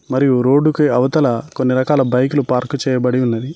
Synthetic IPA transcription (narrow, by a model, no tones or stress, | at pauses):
mɐɾijuɾo̞ːɖːukiɐʋɐt̪ɐlɐkonːiɾɐkaːlɐbɐjk̬ulupaːɾkut͡ʃɛːjɐbɐɽiunːɐd̪i